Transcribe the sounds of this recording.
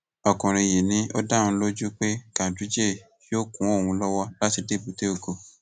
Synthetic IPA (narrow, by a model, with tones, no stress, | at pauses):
ɔ˨kɔ̃˨ɾ̃ĩ˧˨je˨nĩ˨˦o˦dã˦˧˦lo˦d͡ʒu˦k͡pe˦kã˨du˨˦d͡ʒe˦˨fi˦o˦˨kũ˨˦o˦˨wũ˧lɔ˦wɔ˦la˦ti˧de˦˨bu˨˦te˦o˦˨ɡo˧